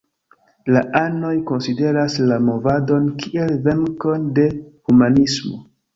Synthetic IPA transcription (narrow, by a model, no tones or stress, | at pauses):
laʔano̞jko̞nside̞ɾaslamo̞vado̞nkiʔe̞lve̞ŋko̞nde̞humanismo̞̰